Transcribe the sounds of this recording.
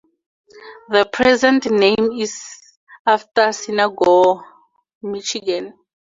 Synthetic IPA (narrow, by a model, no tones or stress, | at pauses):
ðəpʰɹɛzɛ̃ntnẽmiz | aftasinaɡɔ | mit͡ʃiɡãn